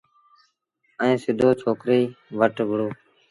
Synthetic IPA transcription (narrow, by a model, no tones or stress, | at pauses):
ɛ̃ːsɪd̪ʱoːt͡ʃʰoːkɾeːʋəʈɡʱɽoː